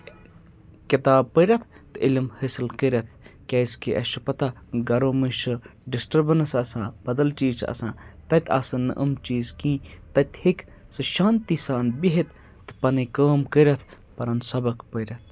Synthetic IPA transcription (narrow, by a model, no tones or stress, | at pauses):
kit̪aːb̚pəɾʲɐt̪ʰt̪ɨilmhəsɨlkəɾʲɐt̪ʰkʲɐːskiʔɐʃɨpɐt̪a | ɡɐɾoːmiʃɨɖisʈɐɾbnɐsɐsãːb̥ɐd̪ɐlt͡ʃiːt͡ʃɐ̰sã̰ːt̪ɐt̪ʰa̰sɨnːɨ̰ʔəmt͡ʃiːzkĩːt̪ɐt̪hik | sɨʃãːnt̪isaːnbiɦit̪ʰ | t̪ɨ̥pɐnikəːmkəɾʲɐt̪ʰ | pɐɾɐnsɐbɐkpəɾʲɐt̪̚ʰ